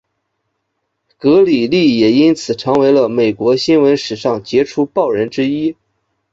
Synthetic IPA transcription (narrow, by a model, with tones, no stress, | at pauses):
kɤ˧˥li˨˩li˥˩jɛ˨˩i˥nt͡sʰɹ̩˨˩ʈ͡ʂʰɤ˧˥ŋwe˧˥ɪlə˧me˨˩ɪkwɔ˧˥ɕi˥nwə˧˥nʂɻ̩˨˩ʂɑ˥˩ŋt͡ɕjɛ˧˥ʈ͡ʂʰu˥pɑ˥˩ʊɻə˧˥nʈ͡ʂɻ̩˥i˥